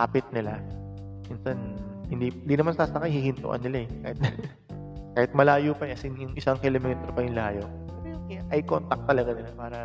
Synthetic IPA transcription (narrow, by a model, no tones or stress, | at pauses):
aːpɪt̪̚nɪla | minsanhɪnd̪iːɪnd̪iːnɐmansaːsɐkajhihɪnt̪ʊ̰ʔɐ̰nːɪlaɛkaːhɪt̪ | kaːhɪt̪̚mɐlaːjuːpɐɛsɪnjʊŋʔɪsaŋkɛlomɛːt̪ɾopɐjʊŋlaːjo | bɐjʊŋkɪʔɐjkont̪ɐk̚t̪ɐlɐɡanɪlapaːɾɐ